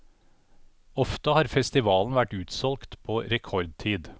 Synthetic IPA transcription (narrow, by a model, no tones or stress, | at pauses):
ɔft̪əhɑːɾfɛst̪ɪʋɑːln̩ʋæʈʉːt̪sɔlkt̪pʰoːɾɛkʰɔɾd̪̚t̪ʰiːd̪